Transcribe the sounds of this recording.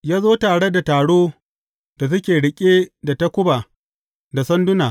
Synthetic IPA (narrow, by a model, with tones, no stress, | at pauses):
jaː˦zoː˦taː˨ɽe˦da˨taː˨ɽoː˦ | d̥a˨s̬ʊ˦kʲeː˨ɽɪ˨kʲʼeː˦da˨tɐ˦kʷʊ˦baː˨ | da˨sɐ˦ndʊ˦naː˨